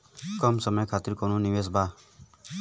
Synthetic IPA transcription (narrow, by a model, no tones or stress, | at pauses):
kɔmsɔmɔjkʰat̪iɾkɔnuniwes̬ba